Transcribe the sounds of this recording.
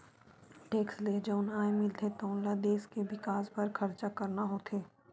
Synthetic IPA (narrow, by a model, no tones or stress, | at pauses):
ʈeːksled͡ʒoʊnaːemɪlt̪ʰet̪oːnlad̪eːskeʋɪkaːspɐɾkʰɐɾt͡ʃakɐɾnaɦot̪ʰeː